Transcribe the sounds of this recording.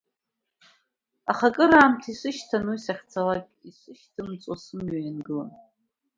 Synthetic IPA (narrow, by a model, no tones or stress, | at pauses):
aχakʼɨɾaːmtʰisʷɨʃtʰanwisaχʲt͡sʰalakʲʼiʂʷɨʃtʰɨmt͡sʼosɨmɥajanɡɨla̰n